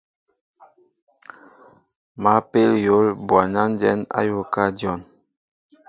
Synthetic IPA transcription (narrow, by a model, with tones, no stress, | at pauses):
ma˨˦pe˦ljo˨˦lbwa˨na˦n˦d͡ʒɛ˦na̰˦jo˦ka˦djɔ˦˨n